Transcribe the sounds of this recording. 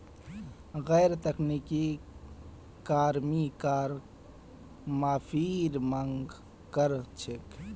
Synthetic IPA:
ɣɛːɾt̪ɐkniːki | kaːɾmikaːɾ | maːfʰiːɾmɐŋɡ | kəɾt͡ʃʰɪk

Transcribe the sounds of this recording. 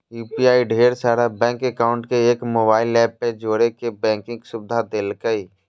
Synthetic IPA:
juːpiaːiɖʱeːɾsaːɾabɛ̃ːŋkekaːʊ̃ɳʈkeeːkmoːbaːɪlɛːpːed͡ʒoːɾekebɛ̃ːŋkɪ̃ŋɡsʊbd̪ʱad̪eːlkəi

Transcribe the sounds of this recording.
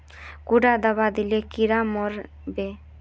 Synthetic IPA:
kuɖad̪abad̪ilekiɾamɔɾ | be

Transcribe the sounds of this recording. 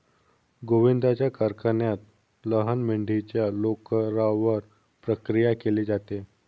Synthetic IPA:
ɡoʋind̪ʱat͡ɕjakaɾkʰanjat̪̚ | ləɦənmiɳɖʱit͡ɕjalokəɾaʋəɾ | pɾəkɾijakeleːd͡zat̪e

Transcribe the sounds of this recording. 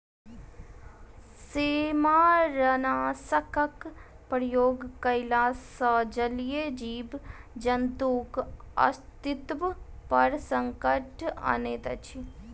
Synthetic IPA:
seːmaːɾɐnaːsəkək | pɾjoːɡkɐɪlaːsad͡ʒɐljed͡ʒiːbd͡ʒɐnd̪uːkɐ̰st̪ɪt̪ʋpɐɾsɐŋkəʈa̰neːt̪ɐt͡ʃʰi

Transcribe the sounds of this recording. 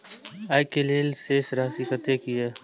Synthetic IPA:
aːjkeleːlseːsɾaːsiːkət̪eːkieː

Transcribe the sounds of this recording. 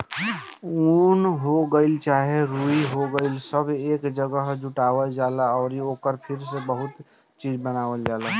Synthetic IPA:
unɦoɡəɪlt͡ʃaːɦeɾuiɦoɡəɪlsəbeːkd͡ʒəɡəɦd͡ʒʊʈaːʋəld͡ʒaːlaɔːɾeoːkəɾpʰɪɾsebəɦʊt̪ | t͡ʃiːd͡ʒbənaːʋəld͡ʒaːla

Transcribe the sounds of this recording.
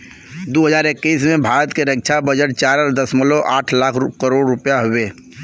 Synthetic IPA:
d̪oːɦəzaːɾɪkːiːsmẽbʱaːɾət̪keɾək̚t͡ʃʰabəd͡ʒəʈ̚t͡ʃaːɾəɾd̪əsməloʔaːʈʰlaːkʰkəɾoːɽɾʊpjaɦoweː

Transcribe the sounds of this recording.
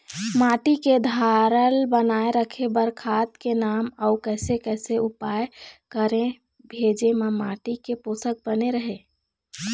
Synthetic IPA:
maʈiked̪ʱaɾəlbənaeɾəkʰebəɾkʰat̪kenaməʊkəɪsekɛseupajkəɾẽ | bʱed͡ʒemamaʈikeposək̚bəneɾəɦe

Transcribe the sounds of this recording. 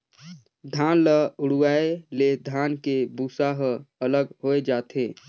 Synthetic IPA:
d̪ʱaːnləʊɽuaːeled̪ʱaːnkebuːsaɦəələɡɦoːed͡ʒaːt̪ʰeː

